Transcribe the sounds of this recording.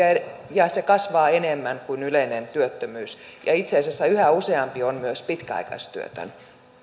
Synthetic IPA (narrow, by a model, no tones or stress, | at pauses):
ɑejɑsekɑsʋɑːenemːæŋkuinyleinent̪yøt̪ːømyːsjɑ̰it̪seɑˑisæsːæyhæuseɑmpionmyøspit̪kæɑ̰ikɑ̰st̪y̰ø̰t̪ø̰n